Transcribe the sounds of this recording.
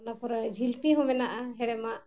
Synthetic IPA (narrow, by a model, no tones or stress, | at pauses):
nakɔɾad͡ʒʱilpiɦɔ̃mɛnaʔaɦɛɽɛmaʔ